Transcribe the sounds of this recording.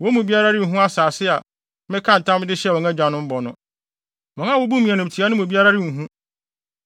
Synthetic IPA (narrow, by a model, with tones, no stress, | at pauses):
wɔ˨˦mũ˨bi˦a˦ɾa˦ɾɪ̃˦˨ɦũ˦a˦saː˨sɪ˦a˨ | mɪ̃˦kʰã˦n̩˨tʰã˦m˦dɪ˦ɕɛ˦˨ɔ̃˨ŋa˦d͡ʑᶣã˨˦nʊ̃˦m̩˦bɔ˨nʊ̃˦ | mɔ̃˨ŋã˦wɔ˦bu˦mĩ˨ɛ˨nʊ̃˨tʰi˨˦a˦nʊ̃˦mũ˨bi˦a˦ɾa˦ɾɪ̃˦˨ɦũ˦